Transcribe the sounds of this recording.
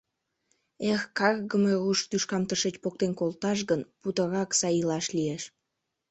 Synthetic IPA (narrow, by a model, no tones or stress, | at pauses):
exkɑrɣəmeɣuʃt̪yʃkɑmt̪əʃet͡ɕpok̚t̪enkolt̪ɑʃ̬ɣənput̪əɾɑksɑjilɑʃlieʃ